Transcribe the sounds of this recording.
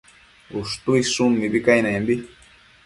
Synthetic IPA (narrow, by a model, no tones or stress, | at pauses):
ust̪uisumːibikainɛmbi